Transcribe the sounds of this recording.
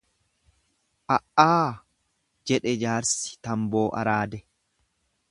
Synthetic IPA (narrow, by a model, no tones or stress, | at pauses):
ʔɐʔaː | d͡ʒɛᶑɛd͡ʒaːɾsɪ̥t̪ɐmboːʔɐ̰ɾaːd̪ɛ